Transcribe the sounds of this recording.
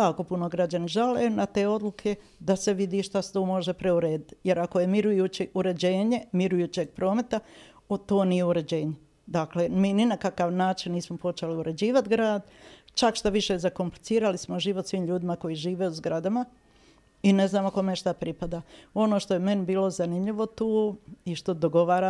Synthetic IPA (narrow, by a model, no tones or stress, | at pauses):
jaːko̞puno̞ɡɾad͡ʑaniʒaleːnat̪e̞ːo̞d̪lˠukʰe̞ | d̪ase̞ʋid̪iːʃt̪ast̪oːmo̞ʒepɾe̞uɾe̞ːd̪it̪je̞ɾakojemiɾujut͡ɕiʔuɾe̞d͡ʑe̞ːɲe̞miɾujuːt͡ɕe̞ɡ̚pɾo̞ːme̞t̪a | ot̪o̞ːnije̞uɾe̞d͡ʑe̞ːɲe | d̪aklemiːninakakaʋnaːt͡ʃinniːsmopo̞t͡ʃeliuɾʔe̞d͡ʑiːʋat̪ɡɾaːd̪t͡ʃakʃt̪aʋiʃe̞zako̞mplit̪siːɾalismoʒiːʋot̪sʋiːmʎuːd̪imako̞jiʒiːʋe̞ːuzɡɾad̪ama | ine̞znaːmako̞meʃt̪apɾipad̪ao̞noʃt̪o̞jeme̞nibiːlo̞zanimʎiʋo̞t̪uːiʃt̪o̞d̪o̞ɡo̞ʋaːɾa